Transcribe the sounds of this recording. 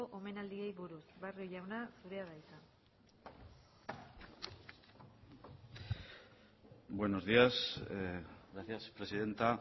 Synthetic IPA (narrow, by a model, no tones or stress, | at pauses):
oʔome̞nald̪ie̞jβuɾusβarioʝawnasuɾe̞aðajsan | bwe̞no̞zðias | ɣɾaθjaspɾe̞siðe̞nt̪a